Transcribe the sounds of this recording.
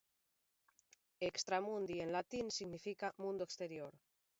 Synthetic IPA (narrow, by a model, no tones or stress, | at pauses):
ekst̪ɾamũnd̪ienlat̪insiɣnifikamũnd̪oekst̪eɾjoɾ